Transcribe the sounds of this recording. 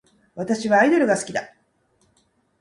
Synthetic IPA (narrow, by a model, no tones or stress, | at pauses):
βat̪aɕiβaːid̪o̞ɾɯ̟ɡasɨ̥kʲid̪a